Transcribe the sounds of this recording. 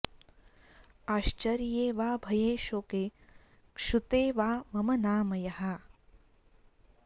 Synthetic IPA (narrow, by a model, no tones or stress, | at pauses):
aːʃt͡ʃɐɾjeːʋaːbʱɐjeːʃoːkeː | kʂut̪eːʋaːmɐmɐnaːmɐjɐɦɐ